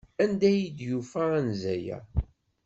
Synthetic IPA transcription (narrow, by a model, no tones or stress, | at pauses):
ænd̪æjid̪jufæænzæjæ̰